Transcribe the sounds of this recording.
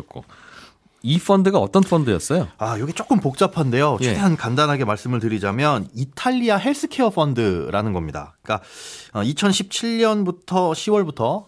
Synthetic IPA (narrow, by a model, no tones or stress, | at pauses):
k͈o̰ | ipʰʌndɯɡaʌt͈ʌnfʰʌndɯjʌs͈ʌjoajoɡe̞t͡ɕ͈ok͈ɯmpok̚t͡ɕ͈apʰande̞jot͡ɕʰedeɦankandanɦaɡe̞maɭs͈ɯmɯɭtɯɾid͡ʑamjʌnitʰaʎːiaɦe̞ɭs͈ɯkʰeʌpʰʌndɯɾanɯnɡʌmɲida̰ | k͈aʌit͡ɕʰʌnɕʰip̚t͡ɕʰiɭɲʌnbutʰʌɕʰiwʌɭbutʰʌ